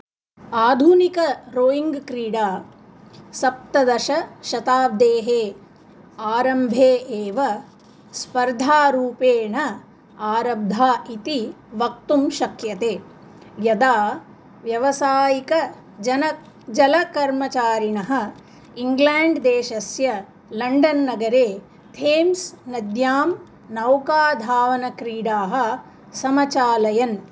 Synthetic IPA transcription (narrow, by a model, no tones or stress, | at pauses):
aːd̪ʱuːnikɐɾoːiŋɡkɾiːɽaː | sɐp̚t̪ɐd̪ɐʃɐʃɐt̪aːʋ̚d̪eːɦeː | aːɾɐmbʱeːʔeːʋɐ | spɐɾd̪ʱaːɾuːpeːɳɐ | aːɾɐb̚d̪ʱaːit̪iʋɐk̚t̪umʃɐkjɐt̪eː | jɐd̪aː | ʋjɐʋɐsaːjikɐ | d͡ʒɐnɐ | d͡ʒɐlɐkɐɾmɐt͡ʃaːɾinɐɦɐ̆ | iŋɡlaːɳɖd̪eːʃɐsjɐ | lɐɳɖɐnːɐɡɐɾeː | t̪ʰeːmsnɐd̪jaːm | nɐwkaːd̪ʱaːʋɐnɐkɾiːɽaːɦɐ̆ | sɐmɐt͡ʃaːlɐjɐn